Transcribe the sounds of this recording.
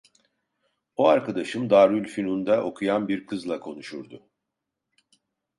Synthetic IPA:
oaɾkʰad̪aʃɯmd̪aːɾylʲfinund̪aʔo̞kʰujanbiɾkʰɯzlˠakʰo̞nuʃuɾd̪ʊ

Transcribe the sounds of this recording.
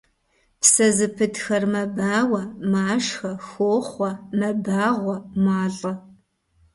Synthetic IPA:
psɐzɨpʰɨdxɐrmɐbaːwɐmaːʂxɐxoːχʷɐmɐbaːʁʷɔmaːɮʼɐ

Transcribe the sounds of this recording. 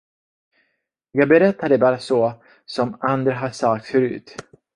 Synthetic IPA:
jɑːɡ̚bɛɾɛt̪ːad̪ɛbɑːɾasɔ | sɔmand̪ɾaɦaʂak̚t̪sfœɾʉ̟̰ːt̪

